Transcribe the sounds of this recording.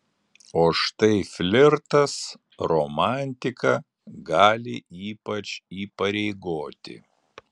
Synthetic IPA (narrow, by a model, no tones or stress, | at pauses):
oːʃt̪ɐɪfʲlʲɪɾt̪ɐs | ɾɔmɑˑnʲt̪ʲɪkɐ | ɡɑːlʲɪʔiːpɐt͡ʃiːpɐɾʲɛɪɡoːt̪ʲɪ̰